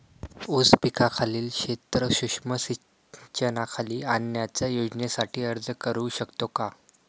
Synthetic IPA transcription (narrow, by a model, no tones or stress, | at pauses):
uspikʰakʰaliːlɕet̪ɾəɕuʂməsi | t͡ɕənakʰaliːanjat͡ɕjajod͡ʑnesaʈʰiːəɾd͡zkəɾuːɕəkt̪oka